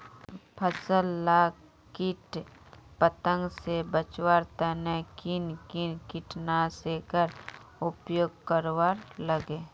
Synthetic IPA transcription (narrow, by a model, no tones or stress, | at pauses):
pʰəsəlːa | kɪʈpət̪ə̃ŋɡsebət͡ʃwaɾt̪ənekɪnkɪnkɪʈnasekəɾʊpjoːɡ̚kəɾwaɾləɡe